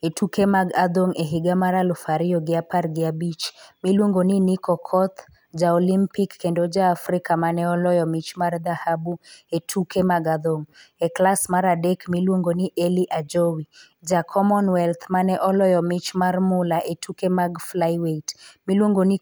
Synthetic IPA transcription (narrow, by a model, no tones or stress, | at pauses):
etʰukemaɡad̪oŋeɦɪɡamaɾalʊfaɾɪɔɡɪaparɡɪabit͡ʃmilwoŋɡonɪnikɔkʰɔt̪ʰ | d͡ʒaolimpikːendod͡ʒaːfɾɪkamanɛɔlɔjɔmɪt͡ʃmard̪ahabuetʰukʰemaɡad̪oŋɛklasmaɾadɛkmilwoŋɡoniʔeliʔad͡ʒowi | d͡ʒakʰɔmɔnwɛlt̪ʰmanɛʔɔlɔjɔmɪt͡ʃmarmʊlaʔetʰukemaɡflajwetmilwoŋɡoni